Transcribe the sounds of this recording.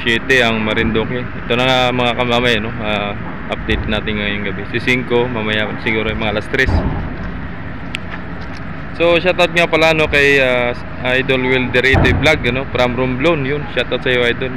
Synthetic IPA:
ʃɛːt̪ɛɐŋmɐɾɪnd̪okɛʔɛt̪onɐŋamɐŋakɐmamɐjɐno̞a | ʔɐp̚d̪ejt̪̚naːt̪ɪnŋajʊŋɡɐbɛsɪsiŋko̞mamɐjasɪɡuːɾojmɐŋaʔɐlast̪ɾɛs | so̞ʃat̪at̪̚ŋapɐlaɐno̞kɐja | ʔajd̪o̞lwɛld̪ɛɾit̪ojblaɡɐno̞pɾamɾʊmblonjʊnʃat̪at̪sɐjoʔajd̪o̞l

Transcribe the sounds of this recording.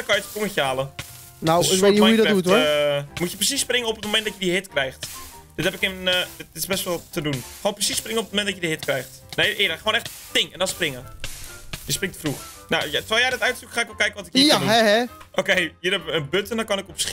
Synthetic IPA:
kɔjətkoməxaːlə | nawɔuədɔdut | mutjəprəsisːprɪŋəopətmomɛ̃nt̚dɔtjədiɦɪtkrɛjxtd̥ɪthɛpɪkɪndtɪsbɛstʋɔlˠtədunxoːnprəsisːprɪŋənopət̚momɛntdɔtjədiɦɪtkrɛjxt | neːʔɪːdəχəoːnɛxt | tɪŋɛndɔnsprɪŋə | jəsprɪŋtə̥frux | najtʋajaːdətœɥtsukxaːɪkʋɔlˠkɛjɪkəʋɔtɪkjəduɛɛ | ʔokeːjədɛpənbøtəndɔkɔnɪkɔps

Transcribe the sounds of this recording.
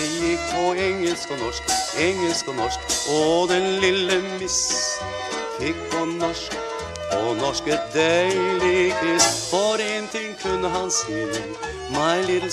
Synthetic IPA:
jɪkpʰɔɛŋːəlskɔnɔʂkɛŋəlskɔnɔʂkɔd̪ɛnlɪlːəmɪs | jɪkpʰɔnɔʂk | ɔnɔʂkəd̪elɪkʰɾɪsfɔɾɪŋːənt̪ʰɪŋːkʰʉnːəɦɑnst̪uːnə | mæɪliːd̪ə

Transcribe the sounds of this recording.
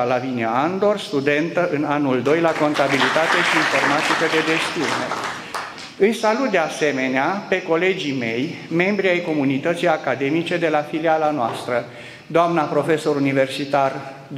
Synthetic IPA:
alavineaand̪o̞rst̪ud̪e̞nt̪əʔɨnanuld̪o̞jlako̞nt̪abilit̪at̪e̞ʃiːnfo̞rmat̪ikəd̪e̞d͡ʒe̞st̪iunḛ | ɨjsalut̪̚d̪ease̞me̞neape̞ko̞le̞d͡ʒime̞j | me̞mbɾiajko̞munit̪ət̪sijakad̪e̞mit͡ʃe̞d̪e̞lafilialanoa̰st̪ɾə | d̪oamnapɾo̞feso̞ɾunive̞rsit̪ar | d̪

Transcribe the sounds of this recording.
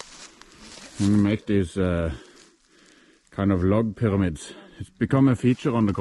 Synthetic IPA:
hɪ̃nmeɪk̚ðiːsə | kʰãɪ̃ndɔvlɔɡ̚pʰɪɹamid̪sɪsb̥ɪkʰʌ̃məfiːt͡ʃəɹʌ̃nd̪əkʰ

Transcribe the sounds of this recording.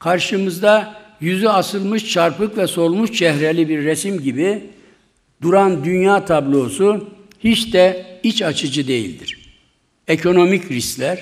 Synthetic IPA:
kʰaɾʃɯmɯzd̪a | jyzyasɯlˠmɯʃt͡ʃʰaɾpɯkvɛso̞lˠmuʃt͡ʃʰɛhɾelʲibiɾːɛsimɟibi | d̪uɾand̪ynjaːt̪ʰablˠo̞ːsu | hit͡ʃd̪ɛit͡ʃat͡ʃʰɯd͡ʒɯd̪e̞jḭlʲd̪iɾ̥ | ekʰo̞no̞micɾisclʲæɾ̥

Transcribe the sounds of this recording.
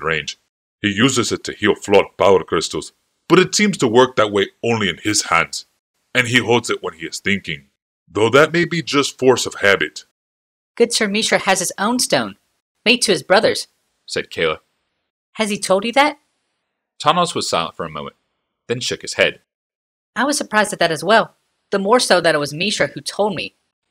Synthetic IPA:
ɹẽɪ̃nd͡ʒ̥ | hijʉzɨzɨtʰɨhilˠflɔɾb̥aʊkʰɹ̥ɪstl̩ˠz̥ | b̥ʌɾɨtsĩmz̥tʰəwɜ˞k̚ðɨt̚weɪõʊ̃nliɨ̃nɪz̥hæ̰̃ndz̥ | ɨ̃niɦoʊlˠdzɨʔ̚wə̃niɨz̥θɪ̃ŋkɪ̃ŋ | ðoʊðɨt̚meɪbid͡ʒʌstfɔɹsʌv̥hæbɨt | ɡ̥ʊd̥sə˞miʃə˞ɨz̥ɨzõʊ̃nstõʊ̃n | meɪd̚tʰɨɨzbɹʌðə˞z̥ | sɛd̚kʰeɪlˠə | hɨz̥itʰoʊlˠdjɨðæt̚ | tʰɑnl̩ˠzwʌz̥saɪlˠə̃ntfə˞ɨmõʊ̃mə̰̃n̚ | ðɨ̃nʃʊkhɨz̥hɛ̰d̥ | aɪwʌz̥sə˞pʰɹ̥aɪzdðɨt̪̚ðɨɾɨzwɛlˠ | ðəmɔɹsoʊðɨɾɨt̚wʌzmiʃə˞hʉtʰoʊlˠd̚mḭ

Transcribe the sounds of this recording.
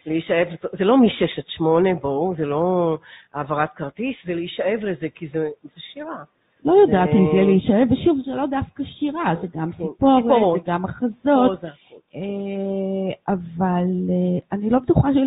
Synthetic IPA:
leiʃaevletzelo̞miʃeʃatʃmo̞nebozeloaːvaʁat̪kaʁt̪iszeleiʃaevlezekizez̥eʃiʁa | lo̞jod̪atimzɛleiʃaeveʃuvzelo̞dafkaʃiʁazeɡamsipoʁeɡamaχazo̞t | e | avaleanilo̞bet̪uχaʃ

